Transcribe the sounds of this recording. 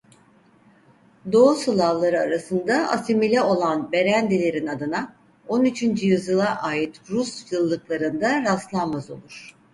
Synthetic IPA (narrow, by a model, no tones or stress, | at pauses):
d̪o̞usɯlˠalˠaɾɯaɾasɯnd̪aʔa̰similʲɛo̞lˠanbe̞ɾænd̪elʲe̞ɾinad̪ɯna | o̞nyt͡ʃʰynd͡ʒyjyzjɯlˠaʔaːjit̪ɾusjɯlˠːɯklˠaɾɯnd̪aɾast̪lˠanmazo̞̰lˠuɾ̥